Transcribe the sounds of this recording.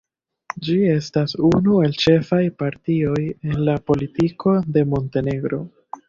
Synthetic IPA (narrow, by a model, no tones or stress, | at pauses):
d͡ʒie̞stasunue̞lt͡ʃe̞fajpaɾtio̞je̞nlapo̞litikʰo̞de̞mo̞nte̞ne̞ɡɾo̞̰